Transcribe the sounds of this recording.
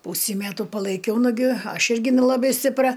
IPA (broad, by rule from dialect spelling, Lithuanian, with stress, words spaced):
ˈpuːsʲiː ˈmʲæːtʊ pɐlˠɐɪˈkʲɛʊ nʊˈɡʲɪ ˈɐʃ ˈɪrʲɡʲɪ nʲɛlˠɐˈbɐɪ sʲtʲɪpˈrɐ